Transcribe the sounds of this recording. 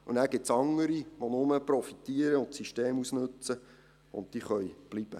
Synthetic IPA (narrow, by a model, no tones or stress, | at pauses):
unæːɾɡɪtsɑŋːəɾiʋonʊməprɔfit̪iəɾəʊntsiʃteːmusnɵt͡sə | ʊ̰nt̚d̥iːχœjb̥lib̥ə̰